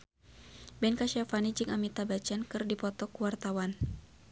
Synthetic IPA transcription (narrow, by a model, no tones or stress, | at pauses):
bɛnkaʃafanid͡ʒɨŋamit̪abat͡ʃankɨrdipɔt̪ɔkuwart̪awan